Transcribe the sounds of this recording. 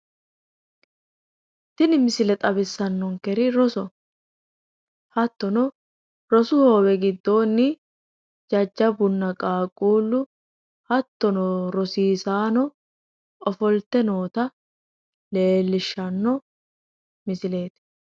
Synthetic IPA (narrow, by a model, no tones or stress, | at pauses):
t̪ɪnɪmɪsɪlɛt̪ʼɐbɪsːɐnːɔŋkɛɾɪɾɔsɔ | hɐt̪ːɔnɔ | ɾɔsʊhoːbɛɡɪd̪ːo̞ːnːɪ | d͡ʒɐd͡ʒːɐbʊnːɐkʼaːkʼuːlːʊ | hɐt̪ːɔnɔɾɔsiːsaːnɔ | ɔfɔlt̪ːɛno̞ːt̪ɐ | le̞ːlːɪʃːɐnːɔ | mɪsɪle̞ːt̪